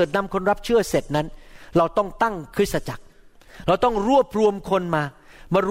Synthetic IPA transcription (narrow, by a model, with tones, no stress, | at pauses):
t̪̚na˧mkʰo˧nɾa˦˥p̚t͡ɕʰɯ˥˩ɐse˨˩t̪̚na˦˥nɾa˧wt̪ɔ˥˩ŋt̪a˥˩ŋkʰɾɯ˦˥t̪̚sa˧t͡ɕa˨˩k̚ | ɾa˧wt̪ɔ˥˩ŋɾu˥˩əp̚ɾu˧əmkʰo˧nmaː˧ | maː˧ɾu˦